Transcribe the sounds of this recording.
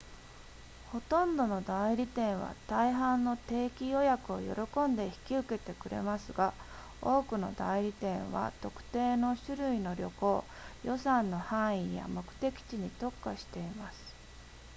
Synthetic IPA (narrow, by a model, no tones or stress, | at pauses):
ho̞t̪õ̞nd̪o̞no̞d̪aiɾʲit̪ẽ̞ɰ̃β̞a̰t̪aiɦãnːo̞t̪e̞ːkʲijo̞jakɯ̟o̞̰jo̞̰ɾo̞kõ̞nd̪e̞çi̥kʲiɯ̟ke̞t̪e̞kɯ̟ɾe̞̰masɨɡa | o̞ːkɯ̟no̞̰d̪aiɾʲit̪ẽ̞ɰ̃βa̰t̪o̞kɯ̟̥t̪e̞ːno̞ɕɨɾɯ̟ino̞ɾʲo̞̰ko̞ː | jo̞sãnːo̞hãɰ̃ija̰mo̞kɯ̟̥t̪e̞kʲi̥t͡ɕiɲ̟it̪o̞kːaɕi̥t̪e̞imasɨ̥